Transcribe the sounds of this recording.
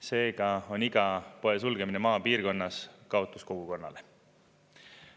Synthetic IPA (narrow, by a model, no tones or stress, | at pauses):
se̞ːɡ̥ɑo̞niɡ̥ɑpo̞e̞s̬ulɡ̥e̞minemɑːpiːrko̞nːɑskɑo̞t̪ːˑusko̞ɡ̥uko̞nːɑ̰le̞